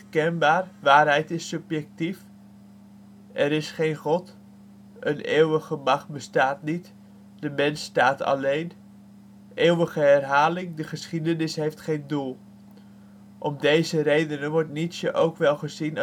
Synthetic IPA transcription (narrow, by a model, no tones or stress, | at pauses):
kɛnbaːrʋaːrɦɛjtɪsːɵpjɛk̚tif | ʔɛɾɪsχejnχɔt | ʔənḛːwəχəmɑχbəstaːtnit | dəmɛnstaːtʰɑ̰lejn | ʔeːwəɣəɛrɦaːlɪŋdəχəsχidənɪsɦejftχejndulˠ | ʔɔmdejzəɾejdənənʋɔɹtnitsjəʔowkʋɛlˠχəzin